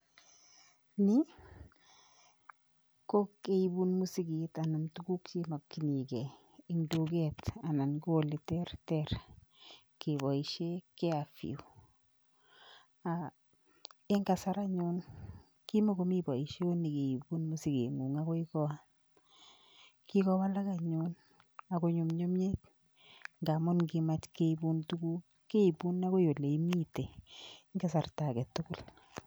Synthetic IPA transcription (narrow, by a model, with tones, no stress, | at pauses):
ni˦ | ko˦ke˨ibu˦nmu˦si˦ɡi˨ta˨na˨ntuɡu˦kt͡ʃe˦ma˨kːi˨ni˨ɡɛ˨ | i˨ŋdo˨ɡɛta˨na˨nɡo˦˨li˨tɛ˦rtɛɾ | ke˨βɔ˨i˨ʃe˦kɛ˦a˨fḭ˨u˨ | a˨ | e˦ŋɡa˨sa˦ɾa˦ɲu˦n | ki˦mo˦ko˦mi˦bɔ˨i˨ʃe˦o˦ne˨ke˨i˨bu˦nmo˦si˦kḛ˨ŋu˨ŋa˦kɔ˦ikɔ˦a | kikɔ˦wa˦la˦ka˨ɲun | a˨ko˦ɲu˨mɲo˦me˦k | ŋɡa˨mʊ˦nki˦mat͡ʃke˦i˦bu˦ntu˦ku˦ | ke˦i˨bu˦nːa˦ko˦jo˨le˨i˦mi˦te˨ŋa˦sa˨rta˨kɛ˨tʊ˦kʊ˦l